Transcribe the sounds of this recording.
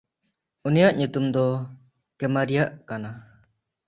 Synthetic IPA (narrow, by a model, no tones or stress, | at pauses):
unijaʔɲut̪umd̪ɔ | kɛmaɾijaʔkana